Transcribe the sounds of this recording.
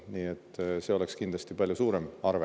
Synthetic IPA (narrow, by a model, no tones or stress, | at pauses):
niːet̪ːse̞ːo̞le̞kskind̪lɑst̪ipɑlʲjusuːɾemɑrve